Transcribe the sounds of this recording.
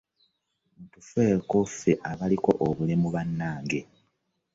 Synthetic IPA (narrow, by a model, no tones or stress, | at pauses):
uːntufweːkofeʔaβaliko̞ʔoβulemuβanːaːŋɡe̞